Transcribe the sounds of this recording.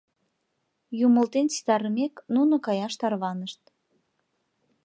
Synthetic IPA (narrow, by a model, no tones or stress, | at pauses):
jumə̆lt̪ent͡si̥t̪ɑɾəmeknunŏkɑjɑʃt̪ɑrβɑnəʃt̪̚